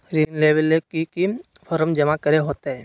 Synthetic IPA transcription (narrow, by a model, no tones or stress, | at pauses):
ɾinleːbəlekiki | pʰɔɾəmd͡ʒɐmakəɾeɦoːt̪eɦɛː